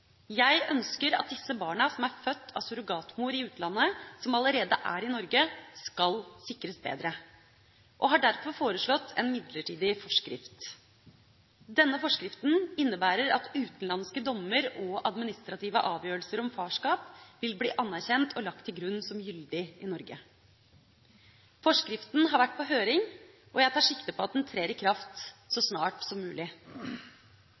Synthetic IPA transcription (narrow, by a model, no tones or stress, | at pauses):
jæɪʔœnskəɾɑ̰t̪̚d̪ɪsːəbɑːɳəsɔmæɾfœt̪ʰːɑ̰sʉɾʊɡɑːt̪muːɾɪʉːt̪̩ɑnːəsɔmɑləɾeːd̪əʔæ̰ːɾɪnɔɾɡəskɑlsɪkːɾəsbḛːd̪ɾə | ʔɔɦɑɖæɾfɔɾfoːɾəʂɭɔt̪ʰːɛ̰nmɪd̪ləʈʰiːd̪ɪfɔʂkɾɪ̰ft̪ | d̪ɛnːəfɔʂkɾɪft̪n̩ɪnːəbæːɾəɾɑt̪ʉːt̪n̩lɑnskəd̪ɔmːəɾɔɑd̪mɪnɪst̪ɾɑt̪iːʋəʔɑːʋjøːɾlsəɾɔmfɑːʂkɑːpʋɪlblḭːʔɑnːæɾçɛnt̪ɔlɑk̚t̪ʰːɪlɡɾʉnːsɔmjʏld̪ɪʔɪnɔɾɡə | fɔʂkɾɪft̪nɦɑɾʋæʈ̚ːpʰɔɦøːɾɪŋ | ʔɔjæɪt̪ʰɑːʂɪkt̪əpʰɔɑt̪̚d̪ɛnt̪ʰɾeːɾɪkʰɾɑft̪sɔsnɑːʈsɔmːʉːlɪ